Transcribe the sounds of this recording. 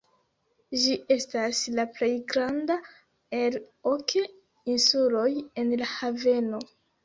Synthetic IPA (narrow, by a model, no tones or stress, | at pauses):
ʒiʔe̞staslaple̞jɡɾanda | elokʰe | insulo̞je̞nlahave̞no̞